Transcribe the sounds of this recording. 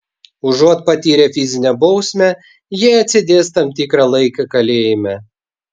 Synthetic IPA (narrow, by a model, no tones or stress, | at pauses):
ʊʒoːt̪̚pɐt̪ʲiːɾʲefʲɪzʲɪnʲɛbɒʊsʲmʲɛ | jiɛɐt̪ʲsʲɪd̪ʲeːst̪ɐmt̪ʲiːkɾɑlˠɐɪkʲɐkɐlʲeːjɪmʲɛ